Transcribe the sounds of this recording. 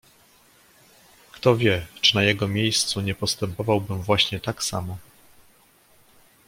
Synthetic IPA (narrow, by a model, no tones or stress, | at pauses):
kt̪ɔvʲjɛt͡ʂɨnajɛɡɔmʲejst̪suɲɛpɔst̪ɛmpɔvawbɘmvwaɕɲɛt̪aksamɔ